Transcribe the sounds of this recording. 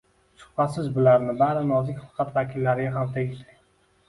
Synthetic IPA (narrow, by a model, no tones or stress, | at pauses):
sʊ̥pat̪sɪzbʊlaɾnɪbaɾɪnɒzɪkʲfɑ̥qʰɑt̪vakʲʰɪlːaɾɪɡʲaɦamt̪ʰeɡʲɪʃd̪ɪ